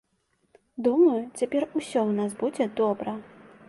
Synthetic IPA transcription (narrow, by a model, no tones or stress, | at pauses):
d̪umɐjut͡sʲapʲɛrusʲɔwnasbud͡zʲɛd̪ɔbɾɐ